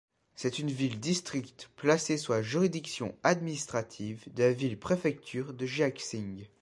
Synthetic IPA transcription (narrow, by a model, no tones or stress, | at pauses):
sɛt̪ynvild̪ist̪χikt̪plaseswaʒyʁid̪iksjɔ̰̃ad̪minist̪χat̪ʰivd̪əlavilpχefɛk̚t̪ʰyːʁd̪əʒaksĩŋɡ